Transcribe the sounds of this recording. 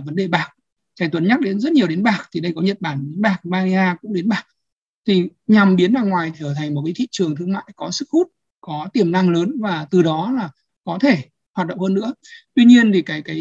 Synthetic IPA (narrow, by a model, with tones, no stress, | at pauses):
və˨˦nɗe˨˩ɓaː˨˩k̚ | t͡ɕa˨˩jt̪wə˨˦nɲa˦˥k̚ɗe˨˦nzə˦˥t̚ɲi˨˩əwɗe˨˦nɓaː˨˩k̚t̪ʰi˨˩ɗə˧jkɔ˨˦ɲə˨˩t̚ɓaː˧˩n˨˦nɓaː˨˩k̚maː˧li˧aː˧kʊ̰˧˥ŋ͡mɗe˨˦nɓaː˨˩k̚ | t̪ʰi˨˩ɲa˨˩mɓi˨˦ənɗaː˨˩ŋwaː˨˩jt̪ʰəː˨˩t̪ʰa˨˩jŋ̟mo˨˩kaː˨˦jt̪ʰḭ˧˨t͡ɕɨ˨˩əŋt̪ʰɨ˧əŋma̰ː˧˨jkɔ˨˦sɨ˦˥k̚hu˦˥t̚ | kɔ˨˦t̪i˧˩əmna˧ŋləː˨˦nvaː˨˩t̪ɨ˨˩ɗɔ˨˦laː˨˩ | kɔ˨˦t̪ʰe˧˩ | hwaː˨˩t̚ɗə̰˧˨ŋ͡mhəː˧nːɨ̰˧˥ət̪wi˧ɲi˧ənt̪ʰi˨˩kaː˨˦jkaː˨˦